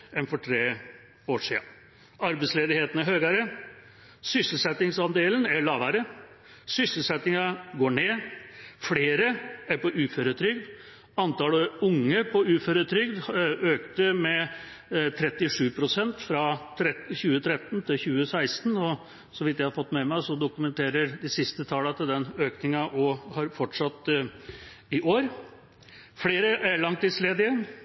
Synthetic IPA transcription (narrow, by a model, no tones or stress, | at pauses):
ɛnfɔʈʰɾeː | oːʂiːɑ̰ | ɑɾbɛsleːd̪ɪheːt̪ənæɾhøːɡɑɾə | sʏsəl̩sɛt̪ɪŋsɑnd̪eːlənæɭɑːʋæɾə | sʏsəl̩sɛt̪nɪŋɑɡoːɳeːfleːɾəæɾpɔʔʉːføɾət̪ʰɾʏɡd̪ | ɑnt̪ɑlɔʊŋːəpʰɔʉːføɾət̪ʰɾʏɡd̪øːkt̪əmɛ | t̪ʰɾɛt̪ːɪʂʉːpʰɾʊsɛnt̪fɾɑt̪ʰɾɛçʉːət̪ʰɾɛt̪ːnt̪ʰɪlçʉːəsæɪst̪nɔ | sɔʋɪt̪jæɪhɑɾfɔt̪ːmɛmæɪsɔd̪ʊkʉmənt̪ʰeːɾəɾd̪ɪsɪst̪ət̪ʰɑlət̪ʰɪld̪ɛnøːknɪŋɑʔɔhɑɾfɔʈʂɑt̪ː | ɪʔoːɾ | fleːɾəʔæɾɭɑŋt̪ːɪsleːd̪ɪə